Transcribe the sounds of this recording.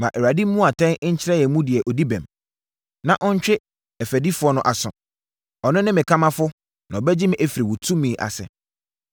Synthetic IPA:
mã˨ʔɛ˨ɾa˨di˦m̩˦mũ˦a˨tʰɛ̃˦n˦ɲ̩˦t͡ɕʰɪ˦ɾɛ˦jɛ˨˦mũ˦dɪ˨ɛ˨ʔɔ˨di˦bɛ̃˨m | nã˨ʔɔ˦ɲ̩˦t͡ɕᶣɪ˦ | ɛ˨fæ˨di˦fʊ˨˦ɔ˦nʊ̃˨ʔa˨sʊ̃˨ | ɔ˨nʊ̃˦nɪ̃˦mɪ̃˨kʰa˦mã˦fʊ˦ | nã˨ɔ˨bɛ˦d͡ʑɪ˦mɪ̃˨ʔɛ˦fi˨ɾi˨wu˨tʰũ˦mĩ˨ʔa̰˨sɛ̰˨

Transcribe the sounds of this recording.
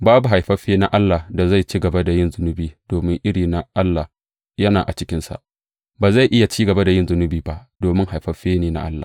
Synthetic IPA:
baː˦bu˨ɦa˨jɸɐ˦ɸeː˦na˦ʔa˦lːa˨hda˨za˦˨jt͡ʃiː˦ɡɐ˨ba˦da˨jɪ˦˨nzʊ˦nʊ˦biː˨d̥oː˨mɪ˦ŋʔɪ˦ɽiː˨na˦ʔa˦lːa˨ | jɐ˦naː˨ʔa˨t͡ʃɪ˦kʲɪ˦nsa̰˨ʔ | baː˨za˦˨jʔɪ˦ja˨t͡ʃiː˦ɡɐ˨ba˦da˨jɪ˦nzʊ˦nʊ˦biː˨ba˦ʔd̥oː˨mɪ˦ŋha˨jɸɐ˦ɸeː˦neː˨na̰˦ʔa̰˦lːa̰˨

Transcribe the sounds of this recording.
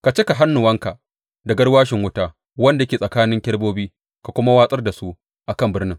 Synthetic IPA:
ka˨t͡ʃe˦ka˨ɦa˦nːʊ˨wɐ˦ŋka˨ | dɐ˨ɡɐ˦ɽwaː˦ʃɪ˨ŋwʊ˦taː˦ | wɐ˦nda˨jkʲeː˨sʼɐ˨kaː˦nɪ˦ŋkʲɐ˦ɽboː˦biː˦ | ka˨kʷʊ˦ma˦waː˦sʼɐ˦rda˨su˦ | ʔa˨kɐ˦˨mbɪ˦rnɪ˦ŋ

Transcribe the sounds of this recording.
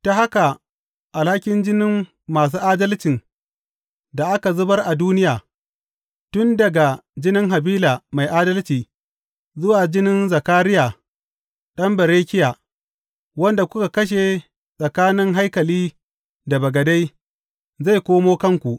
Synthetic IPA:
ta˨ha˦ka˨ | ʔa˨lha˦kʲɪ˦nd͡ʒɪ˦nɪ˦mː | aː˨s̬uː˦ʔaː˦dɐ˦lt͡ʃɪ˨n | da˨ʔa˦ka˨zʊ˦bɐ˦rʔa˨duː˦nɪ˦jaː˨ | tʊ˦ndɐ˨ɡa˨d͡ʒɪ˦nɪ˦ŋɦa˨biː˦laː˨ma˨jʔaː˦dɐ˦lt͡ʃiː˨ | zʊ˦waː˨d͡ʒɪ˦nɪ˦nzɐ˨kaː˦ɾɪ˦jaː˨ | ɗɐ˦mbɐ˨ɾeː˦kʲɪ˦jaː˨ | wɐ˦nda˨kʷʊ˦ka˨kɐ˦ʃ̬e˨ | sʼɐ˨kaː˦nɪ˦ŋɦa˦jkɐ˨liː˦ | da˨bɐ˨ɡɐ˨da˦j | za˦˨jkʷoː˦moː˦kɐ˦ŋkʷu˨ʔ

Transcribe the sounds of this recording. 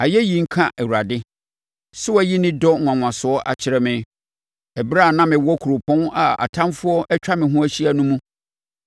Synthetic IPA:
a˨jɛ˦ji˨ŋ̩˦kʰã˦ʔɛ˨wu˨ɾa˨dɪ˦ | sʊ˦wɛ˦ji˦nɪ̃˦dɔ˦˨ŋʷã˨ŋʷã˨sʊ˨˦ɔ˦ʔa̰˨t͡ɕʰɪ˦ɾɛ˦mɪ̃˨ | ɛ˨bɾa˦˨nã˦mɪ̃˨wɔ˦kʰu˨ɾʊ˨pʰɔ̃˦na˨a̰˨tʰã˦mfʊ˦ɔ˦ʔɛ˦t͡ɕᶣa˦mɪ̃˨ɦũ˦æ˦ɕi˦a˨nũ˦mũ˦

